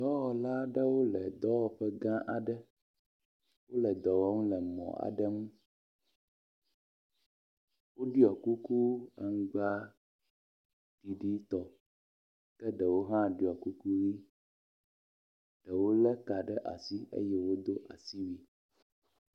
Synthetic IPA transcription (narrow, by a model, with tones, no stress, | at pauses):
d̪ɔ˦wɔ˨la˦ɖə˦wo˦lɛ˨d̪ɔ˦wɔ˨ɸɛ˦ɡã˦ʔa˨ɖə˦ | wo˦lɛ˨d̪ɔ˨wɔ˦ŋũ˦lɛ˨mɔ̰̃˨a̰˨ɖə˦ŋũ˦ | wo˦ɖi˦ɔ˨ku˦ku˦a̰˨ŋ̩˦ɡ͡ba˦ | ɖ̥i˨ɖi˦t̪ɔ˨ | kɛ˦ɖɛ˨wo˦ɦã˦ɖi˦ɔ˨ku˦ku˦wi˦ | ɖ̥ɛ˨wo˦lɛ˦ka˨ɖɛ˦ʔa̰˨si˦ʔḛ˦jɛ˦wo˦d̪o˦ʔa˨si˦wi˦